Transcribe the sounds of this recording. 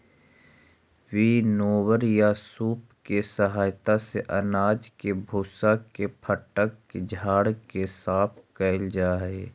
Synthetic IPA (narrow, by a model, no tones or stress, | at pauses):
winoːwəɾjasuːpkesəɦaːjt̪aseʔɐnaːd͡ʒkebʱusakepʰəʈəkːed͡ʒʱaːɽkesaːpʰkɛɪld͡ʒaːeː